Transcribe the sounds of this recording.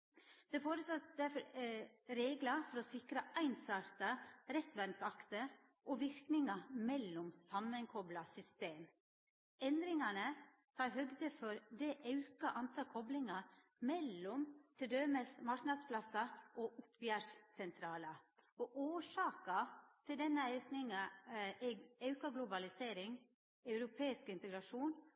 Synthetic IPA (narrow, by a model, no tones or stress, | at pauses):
d̪̥ɛfoːɾəsɔt̪d̪æɾfɔɾɾeːɡlɑfɔɾɔsɪkɾəʔæɪnsɑɾt̪ɑɾɛt̪ʋænsɑkt̪ə | ʔoʋɪɾknɪŋɑmɛlːʊmsɑmːənkʰɔblɑsʏst̪eːm | ɛnd̪ɾɪŋɑnə | sɑɦœɡd̪əfɔɾd̪ɛʔɑʉkɑʔɑnt̪ʰɑːkʰɔblɪŋɑ | mɛlːɔmt̪ʰɛd̪øːməsmɑɾknɑd̪spʰlɑsɑʔɔʔʊpjæʂsɛnt̪ʰɾɑːlɑɔʔoːʂɑːkɑt̪ʰɪld̪ɛnːəɑʉknɪŋɑɛɑʉkɑɡlʊbɑlɪseːɾɪŋ | ɑʉɾʊpʰeːɪskɪnt̪əɡɾɑʂuːn